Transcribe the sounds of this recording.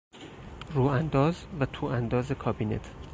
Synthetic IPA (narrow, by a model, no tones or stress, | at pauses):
ruːænd̪ɒːzvæt̪ʰuːænd̪ɒːzekʰɒːbiːnḛt̪ʰ